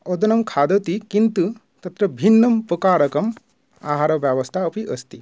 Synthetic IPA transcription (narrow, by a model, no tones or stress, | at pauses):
ɔd̪ɐnɐmkʰaːd̪ɐt̪ikint̪u | t̪ɐt̪ɾɐbʱinːɐmpɐkaːɾɐkɐm | a̰ːɦaːɾɐʋjaːʋɐst̪ʰaɐpiʔɐst̪i